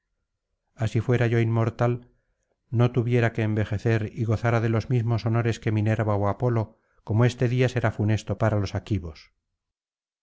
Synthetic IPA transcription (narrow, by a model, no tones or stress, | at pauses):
asifwe̞ɾaʝoimːo̞ɾt̪al | no̞t̪uβje̞ɾake̞ːmbe̞xe̞θe̞ɾiɣo̞θaɾaðe̞lo̞zmizmoso̞no̞ɾe̞ske̞mine̞ɾβaoapo̞lo̞ | ko̞moe̞st̪e̞ðiase̞ɾafune̞st̪o̞paɾalo̞sakiβo̞s